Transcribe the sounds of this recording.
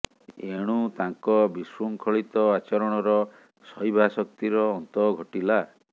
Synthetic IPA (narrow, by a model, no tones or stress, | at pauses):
eɽ̃ut̪aŋkɔbiswuŋkʰɔɭit̪ɔat͡ʃɔɾɔɽ̃ɔɾɔ | sɔjbʱasɔkt̪iɾɔːnt̪ɔɡʱɔʈila